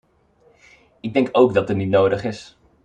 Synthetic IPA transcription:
ɪɡ̚dɛŋkowɡdɑtənitnowdəχɪs

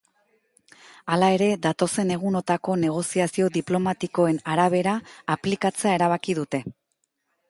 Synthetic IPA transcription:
alae̞ɾe̞ðat̪o̞se̞ne̞ɣ̞uno̞t̪ako̞ne̞ɣ̞o̞siasio̞ðiplo̞mat̪iko̞e̞naɾaβ̞e̞ɾaːplikat͡se̞ae̞ɾaβ̞akið̞ut̪e̞

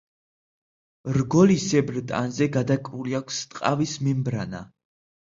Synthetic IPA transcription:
ɾɡɔlisɛbɾt̪ʼa̰nzɛɡad̪akʼɾuliakʷʰst̪ʼqʼavismɛmbɾana̰

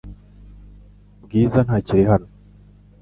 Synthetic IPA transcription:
bɡiːzanhaːciɾiɦano

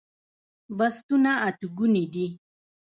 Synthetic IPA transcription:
bast̪unaat̪uɡunid̪i

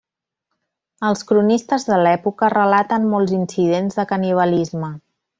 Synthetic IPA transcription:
əlˠskɾunist̪əzðəlɛpukərəlat̪ənmɔlˠzinsið̞enzðəkəniβ̞əlizmə

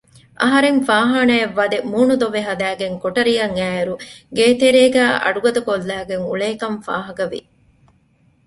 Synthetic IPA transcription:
ʔɐɦɐɾeŋfaːɦaːnɐeʋːɐd̪emuːnud̪oʋeɦɐd̪æːɡeŋkoʈɐɾijɐŋæːeɾuɡeːt̪eɾeːɡæːʔɐ̰ɖuɡɐd̪ɐkolːæːɡeŋṵɭeːkɐɱfa̰ːɦɐkɐʋḭ

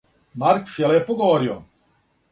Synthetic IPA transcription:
maɾksjɛljɛpoɡoʋoɾio̰

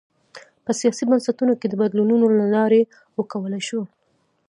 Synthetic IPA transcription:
pəsijɑsibansat̪unoked̪əbad̪lununolalɑɾe | wəkawəlajʃo

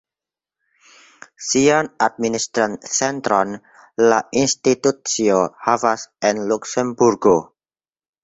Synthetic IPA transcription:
sianad̪̚minist̪ɾansɛnt̪ɾɔn | laʔinst̪it̪ut̪̚siohafasʔɛnluksɛmburɡo

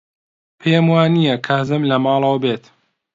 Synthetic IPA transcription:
pʰemwaːnijɐkʰazɨmlɐmɑːlˠɐwɐbeːt̪

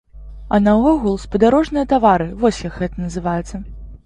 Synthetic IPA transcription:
ɐnɐɔɣulˠspɐd̪aɾɔʐnɨjɐt̪avaɾɨvɔsʲjakɣɛt̪ɐnɐzɨvajɛt̪sːɐ

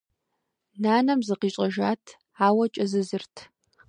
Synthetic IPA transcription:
naːnɐmzɨqiːt͡ʃʷʼɐʒaːtʰ | aːwɐt͡ʃʼɐzɨzɨrtʰ

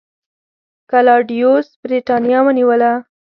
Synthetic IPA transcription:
kalɑɖijosbɾiʈɑnjɑwəniwəla

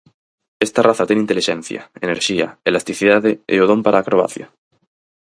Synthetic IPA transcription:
est̪araθat̪enint̪eliʃen̟θja̰eneɾʃiaelast̪iθiðaðeḛoðo̞mpaɾʔaːkɾoa̰θja̰

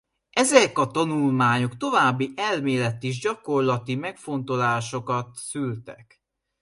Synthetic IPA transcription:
ʔɛzɛkɒt̪ɒnulmaːɲo̞kt̪o̞vaːbːiʔɛlmeːlɛt̪iʒɟɒko̞rlɒt̪imɛkfo̞nt̪o̞laːʃo̞kɒt̪sylt̪ɛk

